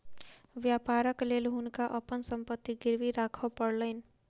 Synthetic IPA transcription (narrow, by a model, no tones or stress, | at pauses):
ʋjapaːɾəklelɦʊnkaʔəpənsə̃mpət̪ːiɡɪɾʋiɾaːkʰəpəɽləɪn